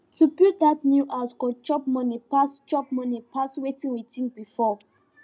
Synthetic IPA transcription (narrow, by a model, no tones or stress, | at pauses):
tuputdatnjuʔaʊskɔd͡ʒɔp̚mʌnipasd͡ʒɔp̚mʌnipʰaswetĩŋwitĩŋbifɔ